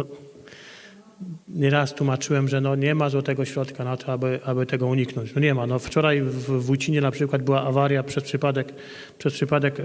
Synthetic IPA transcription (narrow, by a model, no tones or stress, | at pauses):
nɔ | ɲɛɾast̪wumat͡ʂɘwɛmʐɛnɔɲɛmazwɔt̪ɛɡɔɕɾɔt̪kanat̪ɔabɘʔabɘt̪ɛɡɔuɲiknɔ̃ɲt͡ɕnɔɲɛmanɔft͡ʂɔɾajvːujt͡ɕiɲɛnapʂɘkwad̪̚bɘwaʔavaɾjapʂɛspʂɘpad̪ɛk | pʂɛspʂɘpad̪ɛk